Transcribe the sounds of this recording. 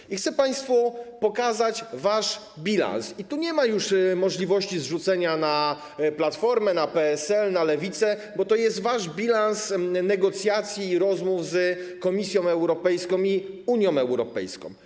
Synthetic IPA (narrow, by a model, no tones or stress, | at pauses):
ixt̪sɛpaj̃st̪fɔpɔkazat͡ɕvaʂ | bʲila̰nsit̪uɲɛmajuʂmɔʐlʲivɔɕt͡ɕizʐut̪sɛɲana | plat̪fɔɾmɛnapɛɛsɛlnalɛvʲit̪sɛ | bɔt̪ɔjɛst̪vaʐbʲilansnɛɡɔt̪sʲjat̪sʲjiːɾɔzmuvzkɔmʲisʲjɔ̃w̃ɛwɾɔpɛjskɔ̃wi | uɲjɔ̃w̃m̃ɛwɾɔpɛ̰jskɔ̰̃w̃